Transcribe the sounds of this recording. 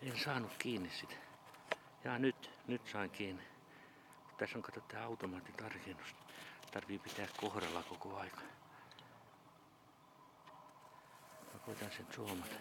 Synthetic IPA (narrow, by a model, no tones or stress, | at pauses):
ensɑːnukkiːnːissit̪ | jɑːnyt̪nyt̪sɑiŋkiːni | kut̪t̪æsoŋkɑt̪ot̪ːæːɑut̪omɑːt̪ːit̪ɑrkinust̪ɑrʋipit̪æːkkohrɑlːɑkokoɑikɑ̥ | pɑkoit̪ɑnsent̪suomɑt̪